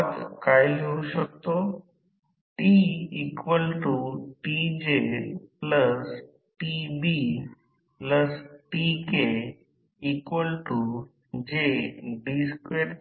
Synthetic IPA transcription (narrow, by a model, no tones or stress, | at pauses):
t̪kajlouɕək̚t̪o | ʈiikʋəlʈuʈid͡ʑepləs | ʈibi | pləsʈike | ikʋəlʈu | d͡ʑeɖiskeʈ